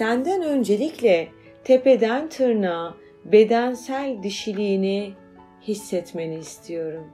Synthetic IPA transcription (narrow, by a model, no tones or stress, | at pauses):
sænd̪ænø̞nd͡ʒe̞lʲiclʲɛ | t̪ʰe̞pe̞d̪ænt̪ʰɯɾna | be̞d̪ænsælʲd̪iʃilʲiːni | hisːɛt̪me̞niːst̪ʰijo̞ɾum